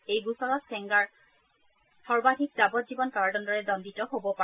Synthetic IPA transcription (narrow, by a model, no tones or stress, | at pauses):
ejɡusɔɹɔskɛŋɡaɹ | sɔɹbadʱik̚zabɔt̚zibɔnkaɹadɔndɔɹɛdɔnditɔɦobɔpa